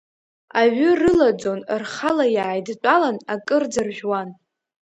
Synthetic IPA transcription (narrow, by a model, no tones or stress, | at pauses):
aɥʏrɨlad͡zo̞nrχalajaːjdt͡pʷʼalanakʼɨrd͡zɨrʒᶣwan